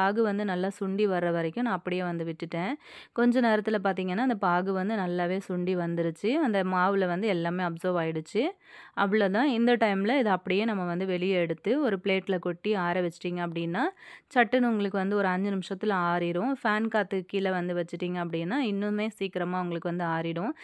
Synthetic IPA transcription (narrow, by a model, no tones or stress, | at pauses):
aːɣɯʋɐnd̪ɯnɐlːaːsʊɳɖiʋɐɾːɐʋɐɾɛkʲːʊ̃nãːɐpːɐɽɪjeːʋɐnd̪ɯʋɪʈːɯʈːẽːkɔɲd͡ʒɐneːɾɐt̪ːɯlɐpaːɾt̪̬iːŋɡɐnːaːɪnd̪ɐpaːɣɯʋɐnd̪ɯnɐlːaːʋeːsʊɳɖiʋɐnd̪ɪɾɯt͡ʃːɯɐnd̪ɐmaːʋɪlɐʋɐnd̪ɯɛlːaːmeːɐpsɔɾʋaːjɪɽɯt͡ʃːɯ | ʔɐʋɐɭːot̪ãːɪnd̪ɐʈɐɪmɪlɐɪðɐɐpːɐɽɪjeːnɐmːɐʋɐnd̪ɯʋɛɭɪjɛɽɯt̪ːɯɔɾɯpɭeːʈːɪlɐkɔʈːiaːɾɛʋɛt͡ʃːɯ̥ʈːiːŋɡɐɐp̬ːɐɽɪnːaːt͡ʃɐʈːɐnʊŋɡɐɭɯkːɯʋɐnd̪ɯɔɾɯɐɲd͡ʒɐnɪmʂɐt̪ːɪlɐaːɾɪɽʊ̃faːnkaːt̪ːɯkːilɐʋɐnd̪ɯʋɐt͡ʃːɯʈːiːŋɡɐɐpːɐɽɪnːaːɪnːɯmeːsiːkɪɾɐmaːɐɐŋɡɐɭɯkːɯʋɐnd̪ɯaːɾɪɽʊ̃